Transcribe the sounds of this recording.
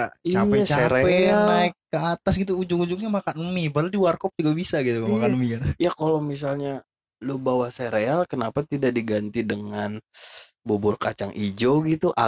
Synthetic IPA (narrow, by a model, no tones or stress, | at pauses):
at͡ʃaɛt͡ʃaɾeɛnaɪkːəat̪asɡit̪uːd͡ʒʊŋud͡ʒʊkŋɲamakanəmibaludiwarkɔp̚d͡ʒuɡabisaɡit̪ukamakanəmikanjakalomis̬alɲa | luhbawahseɾealkənapat̪idak̚diɡant̪idəŋan | bobʊrkat͡ʃaŋʔid͡ʒoɡit̪uʔa̰